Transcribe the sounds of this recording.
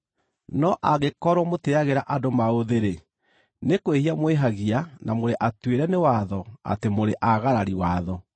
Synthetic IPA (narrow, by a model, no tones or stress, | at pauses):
nɔʔaɣekɔɾwɔmoteaɣeɾaʔadomaoðeɾe | nekwehiamweɦaɣianamoɾeʔatweɾɛnewaðɔa̰temoɾeʔaɣaɾaɾiwaðɔ